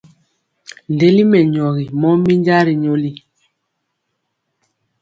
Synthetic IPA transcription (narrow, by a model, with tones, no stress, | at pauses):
n˨de˦li˦mɛ˨ɲɔ˨ɣi˨mɔ˦mi˦ɲd͡ʒa˦ɾi˨ɲo˦li˦